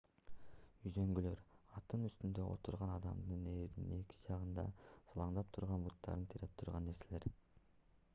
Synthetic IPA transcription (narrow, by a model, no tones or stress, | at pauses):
yzø̞ŋɡylø̞ɾɑt̪ɯnyst̪ynd̪ø̞ʔo̰t̪uɾʁɑnɑd̪ɑmd̪ɯneɾnḭne̞ki̥d͡ʒɑʁɯnd̪ɑ̰sɑlˠɑɴd̪ɑp̚t̪ʰʊɾʁɑnbut̪ːɑ̰ɾɯnt̪ʰeɾe̞p̚t̪ʰuɾʁɑnːe̞ɾse̞le̞ɾ